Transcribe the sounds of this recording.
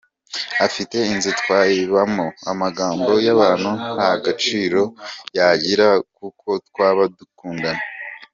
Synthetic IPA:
afite̞inzitwaːjiβamoamaɡaːmbo̞jaβaːn̥huhajaɡat͡ʃiːɾo̞jaɟiɾak̚ukʰo̞twaːβadukuːŋɡana

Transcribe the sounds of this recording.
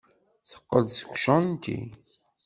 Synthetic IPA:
θə̥qːəd̪sə̥kʷːʃənnt̪ḭ

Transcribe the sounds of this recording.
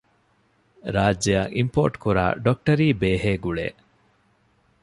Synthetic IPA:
ɾaːd͡ʒːɐjaʔimpo̰ːʈkuɾa̰ːɖok̚ʈɐɾiːbeːɦeːɡuɭḛː

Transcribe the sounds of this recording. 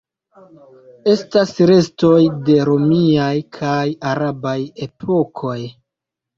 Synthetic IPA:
e̞stasɾe̞sto̞jde̞ɾo̞miajkʰajaɾabaje̞pʰo̞kʰo̞j

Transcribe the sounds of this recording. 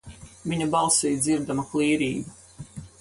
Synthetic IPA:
vʲiɲabɑlˠsiːjd̪ziɾd̪amuklˠiːɾiːbu

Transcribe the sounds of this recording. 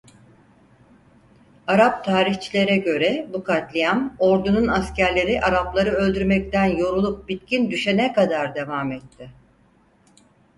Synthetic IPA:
aɾap̚t̪ʰaːɾiçt͡ʃʰilʲe̞ɾɛɟø̞ɾɛbukʰat̪lʲijamo̞ɾd̪ununascʰæɾlʲe̞ɾiʔaɾaplˠaɾɯø̞lʲd̪yɾmɛc̚t̪ænjo̞ɾulˠup̚bit̪cʰind̪yʃɛnɛkad̪aɾd̪e̞vamɛt̪ʰːɪ

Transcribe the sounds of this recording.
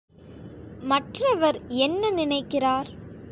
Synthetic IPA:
mɐʈrɐʋɐɾɛnːɐnɪnɐɪkːɪraːɾ

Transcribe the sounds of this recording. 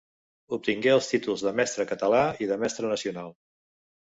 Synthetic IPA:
up̚t̪iŋɡeəlˠst̪it̪ulˠzðəmɛst̪ɾəkət̪əlaiðəmɛst̪ɾənəsiunalˠ

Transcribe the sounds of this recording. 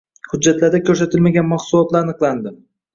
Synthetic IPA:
hʊd͡ʒːat̪laɾd̪akʲʰɵɾs̬at̪ʰɪlmaɡʲanmahsulˠɒt̪laɾanɨqlˠand̪ɪ

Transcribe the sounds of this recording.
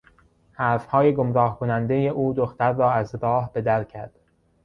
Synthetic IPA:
hæːɾfhɒːjeɡomɾɒːhkʰonænd̪ejeʔuːd̪oxt̪æɾːɒːæzɾɒːhbe̞d̪æɾcʰæɾd̪̥

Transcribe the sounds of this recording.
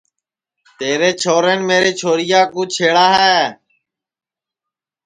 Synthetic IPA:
t̪eːɾeːt͡ʃʰoːɾeːnmeːɾeːt͡ʃʰoːɾɪjaːkũːt͡ʃʰeːɽaːɦɛː

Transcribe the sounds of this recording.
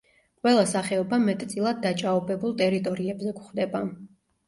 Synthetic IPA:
qʼwɛlˠasaχɛɔbamɛt̪ʼt̪sʼilˠad̪̚ːat͡ʃʼaɔbɛbulˠt̪ʼɛɾit̪ʼɔɾiɛbzɛɡχd̪ɛba

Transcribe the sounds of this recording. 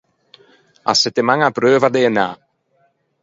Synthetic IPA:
a̰sɪt̪ɪmaŋabɾøːvad̪eəna̰

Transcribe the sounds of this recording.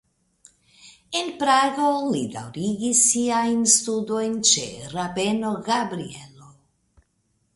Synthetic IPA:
enpɾaɡolid̪a̰wɾiɡisːiajnst̪ud̪ojnt͡ʃḛɾabenoɡabɾielo

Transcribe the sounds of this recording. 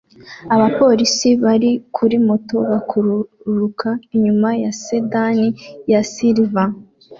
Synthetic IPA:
aβapo̞ɾisiβaɾikʰuɾimo̞to̞βakʰuɾuɾukʰaiɲumajasedanijasiɾva

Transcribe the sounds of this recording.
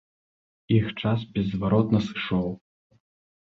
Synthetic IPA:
ixt͡ʂas̬bʲɛzːvaɾɔt̪nɐsɨ̥ʂɔw

